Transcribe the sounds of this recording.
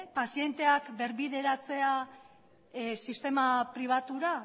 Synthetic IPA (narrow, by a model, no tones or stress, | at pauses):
pasie̞nt̪e̞akbe̞ɾβiðe̞ɾat͡se̞a | sist̪e̞mapɾiβ̞at̪uɾa